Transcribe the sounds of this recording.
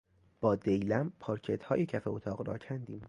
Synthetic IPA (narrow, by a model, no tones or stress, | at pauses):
b̥ɒːd̪ejlæmpʰɒːɾcʰet̪hɒːjecʰæfeot̪ʰɒːɣɾɒ̰ːcʰænd̪iːm